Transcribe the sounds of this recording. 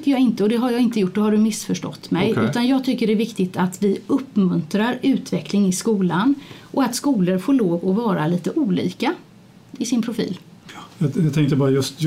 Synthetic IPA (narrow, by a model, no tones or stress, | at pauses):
kːəjɑːɡɪnt̪əɔd̪ɛɦaɾjɑːɡɪnt̪əjʊʈːdɔɦaɖɵmɪsːfœʂʈɔ̰t̪ːmɛjʉ̟ːt̪anjɑːɡt̪ʰʏkːəɖɛæɾvɪkt̪ɪt̪at̪vɪɵpːmɵnt̪ɾaɾʉ̟ːt̪vɛklɪŋɪskuːlanʔɔat̪skuːləɾfoːɭoːvɔvɑːɾaliːt̪əʔuːlḭːka | ɪsɪnpʰɾʊfḭːl | jɑjɑt̪ʰɛŋkt̪əbɑːɾajɵst̪